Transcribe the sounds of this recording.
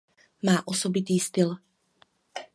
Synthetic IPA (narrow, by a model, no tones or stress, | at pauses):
maːʔosobɪt̪iːst̪ɪl